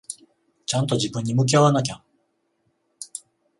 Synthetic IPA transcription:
t͡ɕãnt̪o̞d͡ʑibɯ̃ɲ̟ːimɯ̟k̬ʲiaβanak̬ʲa

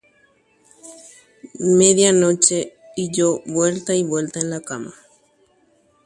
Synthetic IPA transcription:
meðjanõt͡ʃe | id͡ʒowwelt̪aiβelt̪aenlakamã̰

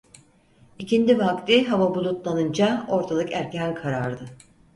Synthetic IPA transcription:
icind̪ivakt̪iɦavabulˠut̪lˠanɯnd͡ʒao̞ɾt̪ʰalˠɯkæɾcʰænkʰaɾaɾd̪ɯ

